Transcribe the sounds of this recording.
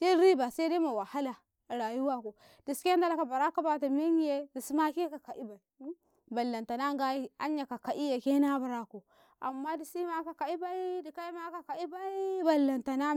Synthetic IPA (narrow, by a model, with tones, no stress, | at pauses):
d͡ʒe˦ɾi˦ba˨se˦de˦ma˨wa˨ha˦la˨ | ɾa˨ju˦wa˦ko˨ | d̥i˨ske˦da˦la˦ka˨ba˨ɾa˦ka˦ba˦ta˨m˦e˦ɲ˦je˦di˨si˦ma˦ki˦ka˨ka˨ʔi˦ba˨i˨ | ba˨lːa˨nta˨na˦ŋ˦ɡa˦a̰˦ɲja˨ka˨ka˨ʔi˦je˨ke˦na˦ba˨ɾa˨ko˨ | a̰˨mːa˦di˨si˦ma˦ka˨ka˨i˦ba˦i˦di˨ka˦i˦ma˦ka˨ka˨i˦ba˦i˦ba˨lːa˨nta˨na˦